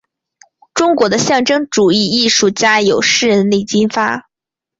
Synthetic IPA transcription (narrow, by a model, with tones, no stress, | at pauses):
ʈ͡ʂʊ˥ŋkwɔ˧˥d̪ə˧ɕjɑ˥˩ŋʈ͡ʂɤ˥ŋʈ͡ʂu˨˩i˥˧i˥˧ʂu˥˩t͡ɕja˥jo˨˩ʊʂɻ̩˥˩ɻə˧˥nli˥˩t͡ɕi˥nfa˥